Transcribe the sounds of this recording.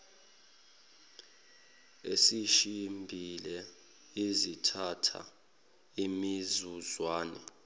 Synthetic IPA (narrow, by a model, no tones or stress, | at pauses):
esiʃimbʱilɛ | izitʰatʰa̰ | imizuzwaːnɛ